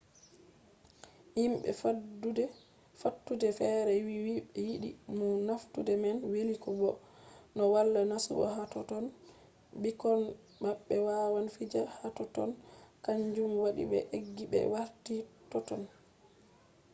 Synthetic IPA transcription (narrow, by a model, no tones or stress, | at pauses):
imɓɛ̰fadudɛ | fatːudɛfɛɾɛwiwiɓɛjiɗḭmunaftudɛmɛnwelikɔbɔ | nɔwalːanasṵbɔ̰hatɔtɔn | bikɔn | maɓːɛwawanfid͡ʒahatɔtɔ̰nkaɲd͡ʒumwaɗḭbɛ̰ʔeɡːiɓɛ̰waɾtitɔtɔn